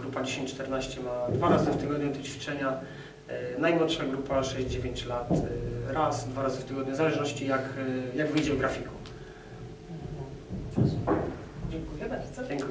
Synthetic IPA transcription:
ɡɾupad͡ʑeɕẽɲt͡ɕt͡ʂt̪ɛɾnaɕt͡ɕɛmad̪vaɾazɨft̪ɘɡɔd̪ɲud̪ɔt͡ɕfʲi̥t͡ʂɛɲa | najmwɔt̪ʂaɡɾupaʂɛʑd͡ʑd͡ʑevʲjeɲt͡ɕlat̪ɾasd̪vaɾazɨft̪ɘɡɔd̪ɲuzalɛʐnɔɕt͡ɕijakjaɡvɘjd͡ʑɛvɡɾafʲiku | d͡ʑɛŋkujɛbaɾzɔɛŋk

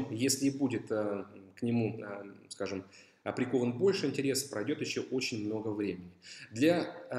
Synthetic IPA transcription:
jesʲlʲɪːbudʲɪt̪əknʲɪmuskaʐɨm | ɐpɾʲɪko̞vənbo̞lʲʂɨɪnʲtʲɪɾʲe̞sə̥pɾɐjdʲo̞t̪jɪɕːoʔo̞t͡ɕɪnʲmno̞ɡəvɾʲemʲɪnʲɪd̪lʲɐ

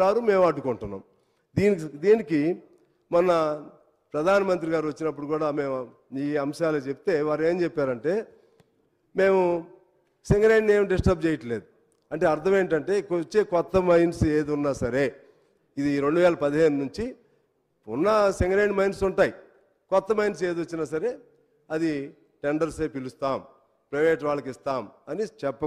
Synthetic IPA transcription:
aːɾume̞ːmɐɖukuɳʈunːa̰ːm | d̪iːnd̪iːniki | mɐnɐ | pɾɐd̪ʱaːnɐmɐnt̪̬ɾiɡaːɾuʋɐt͡ʃːinɐp̬ːuɽukuːɽaːme̞ːmu | iːɐmʃaːloːt͡ʃebit̪e̞ːʋaːɾeːmt͡ʃɛpːaːɾɐɳʈe̞ː | me̞ːmu | seŋɡɾɐjneːmuɖisʈɐp̚t͡ʃeːjɐʈɐle̞ːd̪u | ɐɳʈeːɐɾt̪ʰɐmeːɳʈɐɳʈe̞ːkot͡ʃːeːkɔt̪ːɐmɐjnseːd̪unːaːsɐɾeː | id̪iɾe̞ɳɖuʋɛːlɐpɐd̪iɦe̞ːnunuɲt͡ʃi | unːɐsiŋɡɾɐjɖmɐjnsuɳʈaːji | kɔt̪ːɐmɐjns̬e̞ːd̪ʋɐt͡ʃːinaːs̬ɐɾe̞ː | ɐd̪i | ʈeɳɖɐɾseːpilust̪aːm | pɾɐjʋeːʈʋaːɭːɐkist̪aːmɐnit͡ʃɛpːɐ

